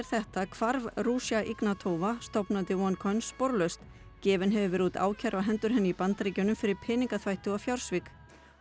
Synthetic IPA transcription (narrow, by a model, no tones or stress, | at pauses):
ɾ̥θɛht̪akʰv̥aɾvruːsjaʔiknat̪ʰoːwvast̪ɔwpnant̪ɪwɔnkʰɔjnsːpɔɾlœɥst̪ | cɛːvɪnɦɛvʏvɛɾut̪a̰ːwcʰɛɾvaɦɛnt̪ʏɾ̥ɦɛnːɪipant̪ɾiːcʏnːʏmfɪɾɪɾ̥pʰɛːniŋkaθvajht̪ʏɣafjawɾ̥svɪk